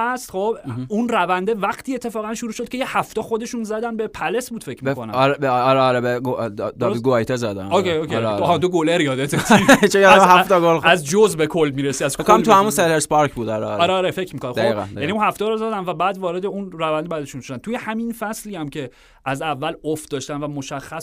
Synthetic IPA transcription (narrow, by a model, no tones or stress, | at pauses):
æst̪χobunrævænd̪e̞væχt̪ʰiːet̪ʰːe̞fɒːɣænʃuɾuːʃo̞d̪̥̚cʰe̞jehæft̪ɛːxo̞d̪e̞ʃuːnzæd̪ænbe̞pʰælesbuːd̪fe̞cʰmikʰonæ̰mɾbɾeɒɾebeɡod̪dɡoɑjt̪ʰezæd̪æ̰oeokʰeɾohæd̪oɡoleɾjɒːd̪et̪ʰet͡ʃojɒd̪mhæft̪ɒɡolæzd͡ʒozbekʰolmiːɾesiæzkekoamt̪ʰuhæmunseleɾspɒɾcbud̪ɒɾɛɒɾeɒɾefecʰmikʰonæd̪oiɣæ̰njæniunhæft̪eɾɔzæd̪ænvæbæːd̪vɒːɾed̪e̞unrævænd̪ebæd̪e̞ʃunʃod̪ænt̪ʰujehæminfæsliæmcʰe̞ | ʔæzævːælofd̪ɒːʃt̪ænvæmoʃæxːæs